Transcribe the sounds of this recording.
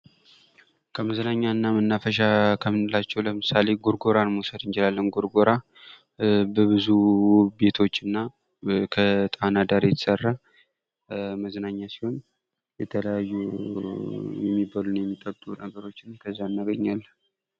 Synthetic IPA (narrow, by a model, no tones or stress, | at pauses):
kʰəməznaɲːanːamɨnːafəʃ̬akʰəmɨnɨlat͡ʃːɛwləmɨsale̞ɡoɾɡoɾanmosəd̪ɨnt͡ʃɪlalːənɡoɾɡo̞ɾa | bəβɨzube̞t̪ʰo̞t͡ʃːɨnːa | kʰət̪ʼanad̪aɾjt̪ʰə̥sərːa | məznaɲːasi̥ho̞n | jɛt̪ʰələjajːu | jɛmːibalunjɛmːit̪ʼəbt̪ʼunəɡəɾo̞t͡ʃːɪnkʰəzːanːaɡəɲːalː